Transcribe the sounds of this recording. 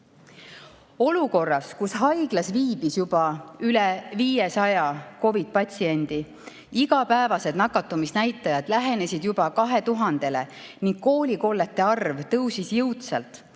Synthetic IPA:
o̞luko̞rːɑskusɦɑjɡ̥lɑsviːb̥isjub̥ɑylɛviːjesɑjɑko̞vid̪̥̚pɑt̪ʲsie̞nʲd̪̥i | iɡɑpæevɑse̞d̪nɑkːˑɑt̪ːˑumisnæjt̪ːˑɑjɑd̪̥læɦe̞ne̞sid̪̥jubɑkɑɦe̞t̪uɦɑnd̪̥e̞leniŋɡ̥ko̞ːlʲiko̞lːet̪ːe̞ɑrvt̪ɤwsisjɯwt̪sɑlt̪ˑ

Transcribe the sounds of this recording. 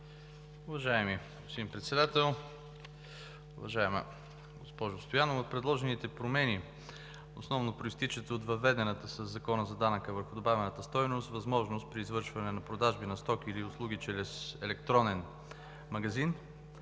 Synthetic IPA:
ʊvɐʒaɛmi | simpɾɛt̪sɛd̪at̪ɛlˠ | ʊvɐʒaɛm̰ | ɡospɔʒʊst̪ojanovot̪pɾɛd̪lˠɔʒɛnit̪ɛpɾomɛni | o̰snɔvnopɾoist̪it͡ʃət̪əot̪vɐvːɛd̪ɛnət̪əsəzːɐkɔnəzɐd̪anəkəvəɾxʊd̪obavʲɛnət̪əst̪ɔjnost̪vɐzmɔʒnost̪̚pɾiːzvɤɾʃvɐnɛnɐpɾod̪aʒbinɐst̪ɔkiliʊslˠuɡit͡ʃɛlɛsɛlɛkt̪ɾɔnɛn | mɐɡɐzin

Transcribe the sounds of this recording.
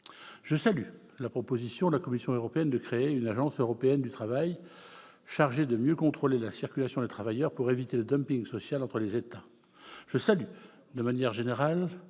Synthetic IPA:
ʒ̥əsaly | lapχɔpozisjɔ̃d̪əlakɔmisjɔ̃øʁɔpeɛnd̪əkχeeynaʒɑ̃søʁɔpeɛnd̪yt̪χavaj | ʃaʁʒed̪əmjøkɔ̃t̪χolelasiʁkʲylasjɔ̃d̪et̪χavajœʁpuʁevit̪eləd̪ɔmpiŋɡsɔsjalɑ̃t̪χəlezet̪a | ʒəsaly | d̪əmanjɛʁʒeneʁal

